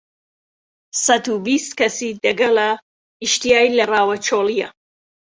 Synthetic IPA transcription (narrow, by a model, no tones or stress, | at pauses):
sɐt̪ubist̪kɐsid̪ɐɡɐlɐ | iʃt̪ijaːjilɐraːwɐt͡ʃʰoːlijɐ̰